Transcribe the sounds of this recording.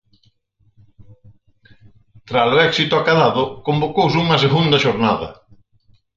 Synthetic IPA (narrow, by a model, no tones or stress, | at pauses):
t̪ɾasoɛksit̪ʊakaðaðʊkombokowsuŋɐs̬eɣund̪ɐʃoɾnaðɐ̰